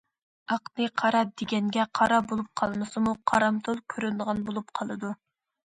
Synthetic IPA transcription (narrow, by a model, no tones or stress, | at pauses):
ɑqnɨqʰɑɾɑd̪eɡʲɛnɡʲɛqʰɑɾɑbolˠup̚qʰɑlˠmɨsɨmuqʰɑɾɑmt̪ʰolˠkʲʰøɾylʁɑnbolˠup̚qʰɑlˠɨd̪u